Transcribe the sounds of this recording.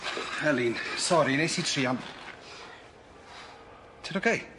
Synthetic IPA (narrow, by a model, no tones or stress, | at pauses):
hɛlinsɔɾinejsiːtʰriːan | tʰəɾokʰej